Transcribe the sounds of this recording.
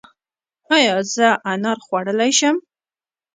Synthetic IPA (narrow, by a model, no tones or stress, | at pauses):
ajɑzəʔanaɾχwaɽəlajʃəm